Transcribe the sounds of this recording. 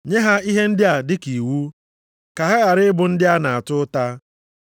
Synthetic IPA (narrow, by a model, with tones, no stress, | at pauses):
ɲe˦ɦa˦i˦ɦe˦n̩˦dɪ˦a˨dɪ˦ki˨wu˦ | ka˨ɦa˦ɣa˨ɾɪ˦ɪ˦bʊ˨n̩˦dɪ˦a˦na˨a˨tʊ˦ta˦